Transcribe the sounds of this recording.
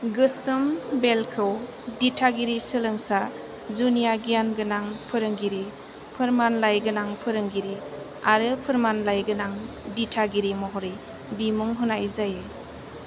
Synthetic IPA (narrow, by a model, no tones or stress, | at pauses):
ɡɯsɯmbelkʰɯw | ditʰaɡiɾisɯlɯŋsa | zunijaɡijanɡɯnaŋpʰɯɾɯŋɡiɾi | pʰɯɾmanlajɡɯnaŋpʰɯɾɯŋɡiɾi | aɾɯpʰɯɾmanlajɡɯnaŋ | ditʰaɡiɾimɔɦɔɾi | bimuŋɦɯnajzaje